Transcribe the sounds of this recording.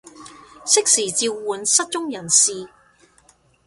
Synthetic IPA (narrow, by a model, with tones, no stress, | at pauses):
sɪ˥k̚siː˨˩t͡siː˧wːuː˨nsɐ˥t̚t͡ʃʊ˥ŋjɐ˨˩nsiː˨